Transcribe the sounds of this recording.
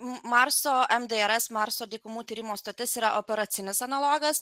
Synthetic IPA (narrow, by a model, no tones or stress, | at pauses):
mɑɾsoːɛmd̪eɛɾɛsmɑɾsoːd̪ʲiːkʊmuːt̪ʲiːɾʲɪmoːst̪ot̪ʲɪsiːɾɐʔopʲɛɾɐt̪sʲɪnʲɪsɐnɐlˠoːɡɐs